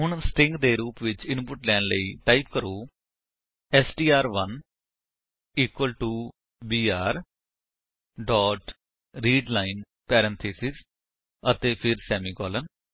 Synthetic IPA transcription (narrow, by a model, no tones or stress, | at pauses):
ɦʊɳsʈɪ̃ŋɡd̪eːɾuːpʋɪt͡ʃɪ̃npʊʈlɛːnləiːʈaːip̚kəɾoː | ɛsʈiːaːɾʋən | iːkwəlʈuː | biːaːɾ | ɖɔːʈ | ɾiːɖlaːɪn | pɛːɾə̃nt̪ʰeːsɪz | ət̪eːpʰɪɾsɛːmiːkɔːlən